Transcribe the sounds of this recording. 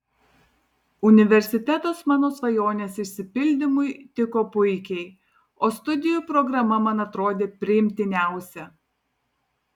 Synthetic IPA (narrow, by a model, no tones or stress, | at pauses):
ʊnʲɪʋʲɛɾʲsʲɪt̪ʲɛt̪oːsmɑːnoːsʋɐjoːnʲeːsɪʃʲsʲɪpʲɪlʲd̪ʲɪmʊɪt̪ʲɪkoːpʊɪkʲɛɪ | oːst̪ʊd̪ʲɪjuːpɾɔɡɾɐmɐmɐnɐt̪ɾoːd̪ʲeːpʲɾʲɪjɪmʲt̪ʲɪnʲæˑʊsʲɛ